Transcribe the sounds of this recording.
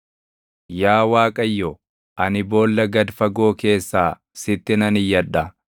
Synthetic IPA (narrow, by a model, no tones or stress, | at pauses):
jaːwaːkʼɐjːɔ | ʔɐnɪbo̞ːlːɐɡɐd̪fɐɡo̞ːke̞ːsːaː | sɪt̪ːɪnɐnɪjːɐᶑɐ